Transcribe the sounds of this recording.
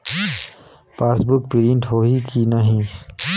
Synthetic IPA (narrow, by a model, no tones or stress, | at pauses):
paːsbʊk̚piɾĩɳʈɦoikinɐɦĩ